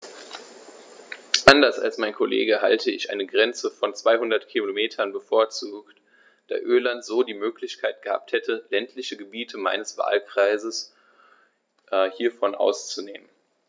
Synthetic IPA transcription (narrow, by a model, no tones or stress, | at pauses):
ʔandɐsa̰lsmaɪnkʰolḛːɡəɦa̰ltʰəɪçʔa̰ɪnəɡʁɛnt͡səfɔnt͡sv̥aɪhʊndɐtkʰilomeːtʰɐnbəfoːɐt͡suːkt | d̥a̰ːʔøːɐlantz̥oːdiːmøːklɪçkʰaɪt̚ɡ̥əha̰ːp̚thɛtʰəlɛntʰlɪçəɡəbiːtʰəma̰ɪnəsv̥a̰ːlkʁ̥aɪzəs | ʔhiːɐfɔnʔa̰ʊst͡suneːmən